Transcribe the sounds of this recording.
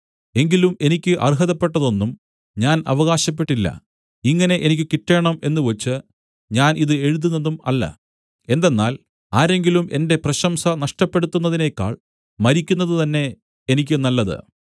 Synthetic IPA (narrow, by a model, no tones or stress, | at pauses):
e̞ŋɡilume̞nikʲːɨʔɐ̰rɦɐðɐpːe̞ʈːɐðo̞nːum | ɲaːnɐ̰ʋɐɣaːɕɐp̬ːe̞ʈːilːɐ̰ | iŋːɐne̞ʔenik̬ʲːɨkiʈːe̞ːɳɐme̞nːɨʋet͡ɕːɨ | ɲaːnʔiðɨe̞ɻuðunːɐðumɐ̰lːɐ̰ | e̞nd̪e̞nːaːl | aːɾe̞ŋɡilumʔe̞nde̞prɐɕɐmsɐnɐʂʈɐpːe̞ɽut̪ːunːɐðine̞kːa̰ːɭ | mɐɾikʲːunːɐðɨt̪ɐnːe̞ː | nikʲːɨnɐlːɐðɨ̰